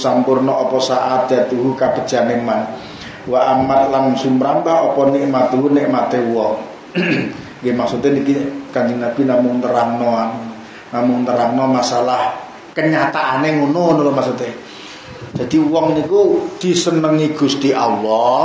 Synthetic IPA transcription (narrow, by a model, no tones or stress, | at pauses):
sampʊrnɔʔɔpɔsaʔat̪̚d̥at̪uɦukab̥ə̤d̥ʒ̥a̤neman | waʔamat̪laŋsumɾambaɦɔpɔnɪʔmat̪uɦuneʔmat̪ewɔŋ | ɡemaksut̪enikikand͡ʒiŋnab̥inamʊŋt̪əɾaŋnɔan | namʊŋt̪əɾaŋnɔmasalah | kəɲat̪aʔaneŋunonolomaksut̪e̥ | d͡ʒ̥ad̪̥iwɔŋnikud̪̥i̤sənəŋiɡ̥ṳst̪iʔalɔ